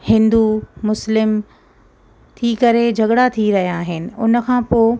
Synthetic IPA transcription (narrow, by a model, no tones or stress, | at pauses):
hɪ̃nd̪umʊslɪm | t̪ʰikɐɾed͡ʑʱɐɡɽat̪ʰiɾɐɦijaːɦɪnɪ̆ʊnə̆kʰãːpoː